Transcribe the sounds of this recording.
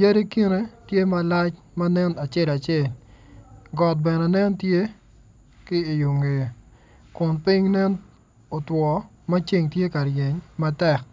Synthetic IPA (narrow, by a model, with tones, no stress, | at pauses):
je˦ɾe˦ki˦ne˦tje˦ma˦la˦t͡ʃ | ma˦nɛ˦na˨t͡ʃɛ˦la˨t͡ʃɛ˦˨l | ɡɔ˨t̚bɛ˨nɛ˨nɛ˦ntje˦ | kɪː˦˨jo˨ŋe˨ | kʊ˨npɪ˦ŋnɛ˦n | o˨twɔ˨ | mɐ˦t͡ʃe˦˨ŋtje˦ka˨ɾje˨ɲma˦tɛ˦˨k̚